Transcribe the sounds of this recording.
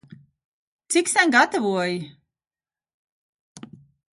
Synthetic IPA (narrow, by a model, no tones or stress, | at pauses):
t̪siksanɡat̪avuɔji